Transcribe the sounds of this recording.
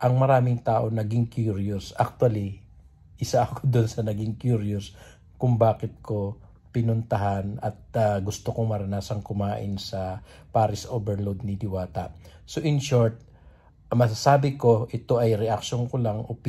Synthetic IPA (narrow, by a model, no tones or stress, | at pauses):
ʔɐŋmɐɾaːmɪŋt̪aːʔo̞nɐɡɪŋkjuɾjʊsʔɐk̚t̪wɐli | ʔɪsaʔkʰod̪onsɐnɐɡɪŋkjuɾjʊs | kʊŋbaːkɪt̪̚kʰo̞ | pɪnʊnt̪ɐɦanɐt̪̚aɡʊst̪okoŋmɐɾɐnaːsɐŋkʊmaːʔɪnsɐpaːɾɪsʔoːbɛɹlowd̪̚nɪlɪwaːt̪ɐ̰soʔɪnʃoɹt̪̚ | mɐs̬asaːbɪko̞ʔɪt̪o̞ʔɐjɾɛʔɐk̚ʃonkolaŋʔop